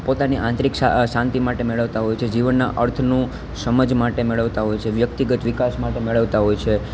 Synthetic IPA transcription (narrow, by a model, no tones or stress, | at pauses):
pot̪aniʔãnt̪ɾiksaʃãnt̪imaʈemeɭəʋt̪aɦojt͡ʃʰed͡ʒiʋənːa̰ʔəɾt̪ʰnũ | səməd͡ʒmaʈemeɭəʋt̪aɦojt͡ʃʰeʋjək̚t̪iɡət̪ʋikasmaʈemeɭəʋt̪aɦojt͡ʃʰe